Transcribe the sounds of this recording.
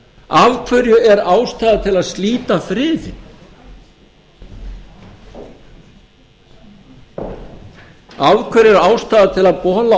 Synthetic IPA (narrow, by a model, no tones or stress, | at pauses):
avkʰvœɾjʏɛɾaːwst̪aːðat̪ʰɪlaðst̪liːt̪afɾɪːðɪ | avkʰœɾjɛɾaːwst̪aːðat̪ʰɪlaðpɔːla